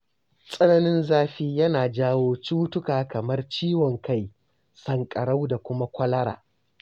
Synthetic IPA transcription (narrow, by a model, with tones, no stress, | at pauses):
sʼɐ˦nɐ˨nɪ˦nzaː˦ɸiː˦jɐ˦naː˨d͡ʒaː˦woː˦t͡ʃuː˦tʊ˦kaː˨kɐ˨mɐ˦rt͡ʃiː˦wɔ˨ŋka˦j | sɐ˨ŋkʼɐ˨ɽa˦wda˨kʷʊ˦ma˦kʷɐ˦lɐ˦ɽa̰ː˨